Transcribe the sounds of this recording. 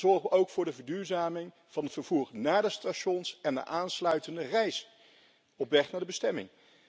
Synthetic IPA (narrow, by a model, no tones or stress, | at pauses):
zɔɹχʋəʔowkfʊːɹdəvəɹdyːɹzaːmɪŋ | v̥ɑnɦətfəɹv̥uːɹnaːdəstaʃɔnsɛndə̰ʔaːnslœɥtəndərɛjs | ɔpʋɛχnaːɹdəbəstɛmɪ̰ŋ